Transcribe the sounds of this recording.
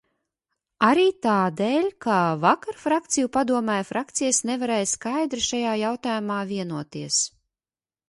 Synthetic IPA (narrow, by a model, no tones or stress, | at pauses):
aɾiːt̪aːd̪eːlʲkaːvakaɾfɾakt̪sijupad̪uɔmɛːjfɾak̚t̪sijasnevaɾeːjskajd̪ɾiʃajaːjawt̪aːjumaːviɛnuɔt̪iɛs